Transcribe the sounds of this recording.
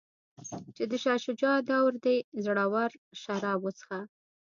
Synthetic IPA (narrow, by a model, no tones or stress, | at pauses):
t͡ʃed̪əʃɑʃʊd͡ʒɑd̪awɾd̪ezɽɑwaɾʃaɾɑbwət͡sə̥xa